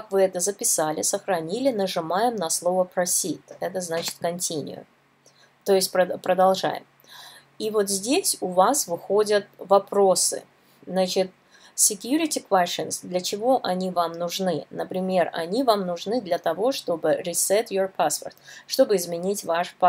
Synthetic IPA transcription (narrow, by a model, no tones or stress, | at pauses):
kakvɨɛt̪əzəpʲɪsalʲɪ̰səxɾɐnʲilʲɪnəʐɨmajɪmnɐslˠo̞vəpɾɐsʲit̪ɛt̪əznat͡ɕɪ̥t̪kɐnʲtʲinʲɪ̰ʊ̰ | t̪o̞jɪsʲt̚ʲpɾəpɾəd̪ɐlˠʐa̰jɪ̰m | ivo̞t̪zʲdʲesʲʊvasvɨxo̞dʲət̪̚vɐpɾo̞sɨ̰ | znat͡ɕɪt̪̚ | sʲɪkʲjuɾʲɪtʲɪkvɛsɨnsd̪lʲət͡ɕɪvo̞ʔɐnʲivamnʊʐnɨnəpɾʲɪmʲe̞rɐ̰nʲivamnʊʐnɨd̪lʲət̪ɐvo̞ʂt̪o̞bɨɾʲɪsɛt̪jorpaspə̰rt̪ʂt̪o̞bɨɪzmʲɪnʲitʲvaʂpa